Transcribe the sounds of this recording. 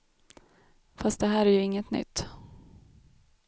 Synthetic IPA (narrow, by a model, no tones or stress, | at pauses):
fast̪̚d̪ɛɦæːɾæɾjɵɪŋːət̪nʏ̰t̪ː